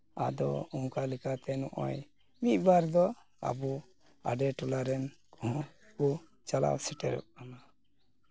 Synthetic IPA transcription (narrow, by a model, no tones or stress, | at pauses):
a̰d̪ɔuŋkalɛkat̪ɛnɔʔɔ̰j | mit̪̚ˀbaɾd̪ɔ | a̰bu | a̰ɖɛʈulaɾɛnkɔɦɔ̃ku | t͡ʃala̰wsɛʈɛ̰ɾɔ̰ʔ̚kana